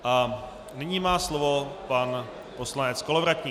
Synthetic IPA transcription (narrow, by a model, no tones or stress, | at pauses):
ʔa | nɪɲiːmaːslovo̞pan | poslanɛt͡skolovɾac̪ɲiː